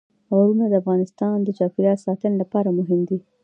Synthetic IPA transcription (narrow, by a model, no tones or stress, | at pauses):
aɾunad̪əafɣɑnɪst̪ɑnd̪ət͡ʃɑfɪɾjɑt̪sɑt̪ənlapɑɾamʊɦɪmd̪i